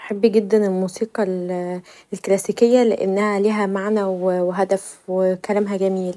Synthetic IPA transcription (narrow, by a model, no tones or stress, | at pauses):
ʔħebːiɡed̪ːænelmuːsiːqɑl | lklæsiːkejːæleʔḛnːæhæliːɦæmaʕnæweweɦæd̪æfwekælæmɦæɡæmiːl